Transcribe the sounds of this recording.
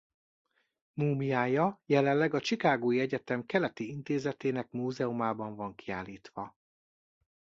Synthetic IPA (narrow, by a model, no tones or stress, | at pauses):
muːmijaːjɒjɛlɛllːɛɡɒt͡ʃikaːɡoːjiɛɟɛt̪ɛmkɛlɛt̪iint̪eːzɛt̪eːnɛkmuːzɛomaːbɒɱvɒŋkia̰ːlːiːt̪ʋɒ